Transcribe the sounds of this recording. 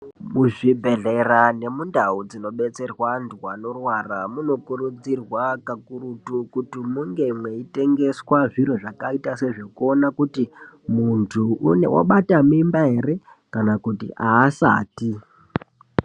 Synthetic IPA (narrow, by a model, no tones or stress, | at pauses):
muʐibʱe̞ɮerane̞mundaud͡zino̞ɓe̞t͡se̞rwandwano̞rwaramuno̞kuɾud͡zirwakakuɾutukutimuŋɡe̞mweite̞ŋɡe̞swaʐiɾoʐakaitase̞ʐo̞kuo̞nakutimuntʰuunḛwa̰ɓatamimbaɦe̞re̞ | kanakutḭʔaːsa̰ːti